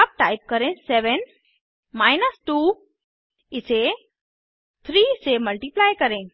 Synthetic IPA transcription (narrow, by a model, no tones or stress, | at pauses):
ap̚ʈajp̚kəɾẽsɛʋɛn | majnəsʈu | it͡se | t̪ʰɾiːseməlʈiplajkəɾẽ